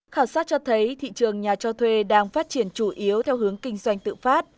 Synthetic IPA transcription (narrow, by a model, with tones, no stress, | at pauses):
xaː˧˩wsaː˦˥t̚t͡ɕɔ˧t̪ʰə˨˦jt̪ʰḭ˧˨t͡ɕɨ˨˩əŋɲaː˨˩t͡ɕɔ˧t̪ʰwe˧ɗaː˧ŋfaː˦˥t̚t͡ɕi˧˩ənt͡ɕu˧˩ʔi˨˦əwt̪ʰɛ˧wɦɨ˨˦əŋkï˧ŋ̟zwa˧jŋ̟t̪ɨ̰˧˨faː˦˥t̚